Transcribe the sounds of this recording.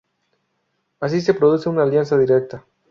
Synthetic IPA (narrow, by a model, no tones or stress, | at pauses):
as̬ise̞pɾoð̞uθeunaːljansaðiɾek̚t̪a